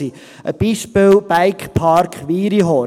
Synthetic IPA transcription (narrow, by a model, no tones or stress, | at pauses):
i | ʔə̰b̥iːʃpɪlb̥aɪkχpʰɑɾkχʋiːɾiɦɔ